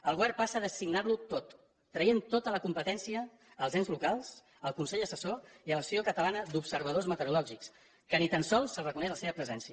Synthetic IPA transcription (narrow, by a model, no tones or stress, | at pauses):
əlˠɣuβɛrpasəðəsiɡnarlut̪ot̪ː | ɾəjent̪ot̪ələkumpət̪ɛnsiəː | lˠzenzlukalˠs | əlˠkunsɛʎəsəsoiələsiokət̪əlanəd̪upsəɾβəð̞ozmət̪əɾulɔʒiks | kənit̪ənsɔlˠsəlrəkunɛʒləseβəpɾəzɛnsiə